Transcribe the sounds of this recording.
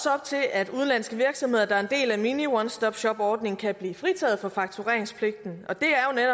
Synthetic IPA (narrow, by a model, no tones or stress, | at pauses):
sɒ̽b̥̚t͡sʰe̝læd̥uð̞ˠn̩lænsɡ̥əʋiɐɡ̥sɒ̽mɦe̝ðˠɐd̥ɑ̈æɐe̝nd̥e̝̰ːlæminiwɒnsd̥ɒ̽b̥ɕɒ̽b̥ɒːd̥ne̝ŋ̩kʰæb̥lḭːfʁit͡sʰɛ̰ːð̞̩ˠfɒ̽fɑ̈ɡ̥t͡sʰuʁɛ̰ɐeŋspʰle̝ɡ̥̚d̥n̩ʔɒ̽d̥e̝æɐjo̝neɾɒ